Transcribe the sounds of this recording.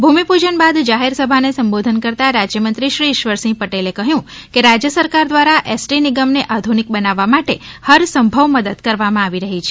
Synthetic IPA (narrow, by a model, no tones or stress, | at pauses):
bʱumipud͡ʒənbad̪d͡ʒaɦeɾsəbʱanesəmbod̪ʱənkəɾt̪aɾad͡ʒjəmənt̪ɾiʃɾiʃʋəɾsĩpəʈelekəɦjũkeɾad͡ʒjəsəɾkaɾd̪ʋaɾaʔesʈinɪɡəmneʔad̪ʱunik̚bənaʋːamaʈehəɾsəmbʱəʋməd̪əd̪kəɾʋamãaʋiɾəɦit͡ʃʰe̥